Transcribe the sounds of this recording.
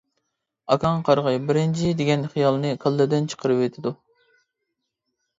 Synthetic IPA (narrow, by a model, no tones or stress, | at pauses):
ɑkʰɑŋqʰɑɾʁɨbɪɾɪnt͡ʃʰid̪eɪɡʲɛnχijɑlˠnɨkʰɑlˠːɨd̪ɪnt͡ʃʰə̥qʰəɾɨpwet̪ʰɪd̪u